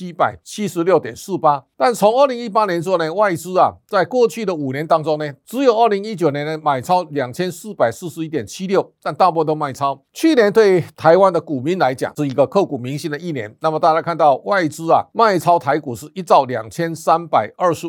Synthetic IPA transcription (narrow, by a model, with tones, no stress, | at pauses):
t͡ɕʰi˦˥pa˨˩ɪt͡ɕʰi˥ʂɻ̩˧˦ljo˥˩ʊt̪jɛ̰˨˩nsɹ̩˥˩pa˥t̪a˥˩nt͡sʰo˧˦ŋə˞˥˧˩li˧˥ŋi˥˩pa˥njɛ˧˦nt͡swɔ˥˧ne˨wa˥˩ɪt͡sɹ̩˥a˨t͡sa˥˧ɪkwɔ˥˧t͡ɕʰy˥˩d̪ə˨u˨˩njɛ˧˦nt̪ɑ˥ŋt͡sʊ˥ŋne˨˩t͡sɹ̩˧˥jo˨˩ʊʔə˥˩li˧˥ŋi˦˥t͡ɕjo˨˩ʊnjɛ˧˦n˧ma˨˩ɪt͡sʰa˥ʊlja˨˩ŋt͡ɕʰjɛ˥nsɹ̩˥˩pa˨˩ɪs̩˥˩ʂɻ̩˧i˧˥˩t̪jɛ˨˩nt͡ɕʰi˦˥ljo˥˩ʊt̪a˥˧nt̪a˥˧p̬wɔ˥˧t̪o˥ʊma˥˩ɪt͡sʰa˥ʊ | t͡ɕʰy˥˩njɛ˧˦nt̪we˥˩ɪt̪ʰa˧˦ɪwa˦˥nd̪ə˨ku˨˩mi˧˥nla˧˦ɪt͡ɕja̰˨˩˦ʂɻ̩˥˩i˧˥ɡə˧kʰɤ˥˧˩ku˨˩mi˧˥ŋɕi˧˥nd̪ə˨i˥˩njɛ˧˦nna˥˩mə˨˩t̪a˥˩t͡ɕja˥ɪkʰa˥˧nt̪ɑ˥˧ʊwa˥˧ɪt͡sɹ̩˥a̰˨ma˥˧˩ɪt͡sʰa˥ʊt̪ʰa˧˥ɪku˨˩ʂɻ̩˥˧i˦˥t͡sɑ˥˩ʊlja̰˨˩ŋt͡ɕʰjɛ˥nsa˦npa˨˩ɪə˞˥˧ʂ̩˧˥